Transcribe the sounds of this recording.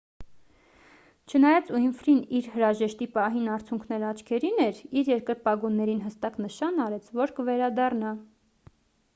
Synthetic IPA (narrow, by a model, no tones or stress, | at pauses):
t͡ʃʰənɑjɑt͡suinfɾiniɾhəɾɑʒɛʃt̪ipɑɦinɑɾt͡sʰjuŋkʰnɛɾɑt͡ʃʰkʰɛɾinɛɾiɾjɛɾkəɾpɑɡunːɛɾinɦəst̪ɑknəʃɑnɑɾɛt͡sʰvɔɾkəvɛɾɑd̪ɑrnɑ